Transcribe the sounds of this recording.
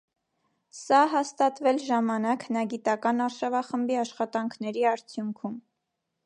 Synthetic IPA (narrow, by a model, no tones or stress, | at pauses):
sɑɦɑst̪ɑt̪vɛlʒɑmɑnɑkʰnɑɡit̪ɑkɑnɑɾʃɑvɑχəmbiɑʃχɑt̪ɑŋkʰnɛɾiɑɾt͡sʰjuŋkʰum